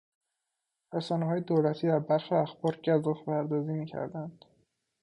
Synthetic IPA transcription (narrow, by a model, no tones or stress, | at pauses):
ræsɒːneɦɒːjed̪olæt̪ʰiːd̪æɾbæɾʃeæxb̥ɒːɾɟæzɒfpʰæɾd̪ɒːziːmiːcʰæ̰ɾd̪ænd̪̥